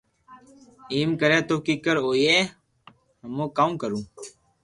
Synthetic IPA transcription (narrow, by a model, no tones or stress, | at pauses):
iːmkəɾeːt̪oːkiːkəɾoːieː | həmõːkaːũːkəɾũː